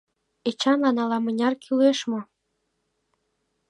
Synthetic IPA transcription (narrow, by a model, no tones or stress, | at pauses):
et͡ɕɑnlɑnɑlɑmə̆nʲɑrkʰyleʃmŏ